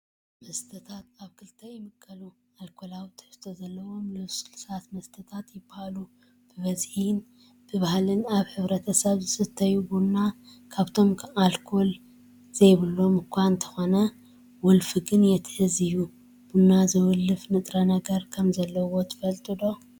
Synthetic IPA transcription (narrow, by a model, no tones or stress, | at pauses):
mɐst̪ʰɐt̪ʰat̪aβkʰɨlt̪ʰɐjɪmɨkʼʰːɐlu | alkʰo̞lawt̪ʰɨ̥ft̪ʰozɐlːɐwo̞mlɨβsɨlsat̪mɐst̪ʰɐt̪ʰat̪jɪbːahalu | b̥ɨβɐzhin | b̥ɨβahlɨnaβħɨβɾɐt̪ʰɐsɐβzɨsɨt̪ʰːɐjubunːakʰaβt̪ʰo̞malkʰo̞l | z̥ejβɨlːo̞mɨkʷʰːaɨnt̪ʰɐ̥xo̞nɐ | wɔlfɨɡɨnjɛt̪ʰɨ̥ħɨzɨju | bunːazɨwʊlːɨfnɨt̪ʼɾɐnɐɡɐɾkʰɐmzɐlːɐwo̞t̪ʰɨ̥fɐlt̪ʼɨd̪o̞